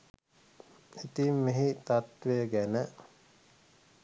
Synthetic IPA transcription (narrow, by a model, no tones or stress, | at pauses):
it̪imːeɦit̪at̪ʋejəɡænə